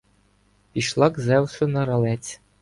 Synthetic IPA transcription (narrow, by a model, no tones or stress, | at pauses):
pʲiʃlˠɑɡzɛwsʊnɐɾɐlˠɛt͡sʲ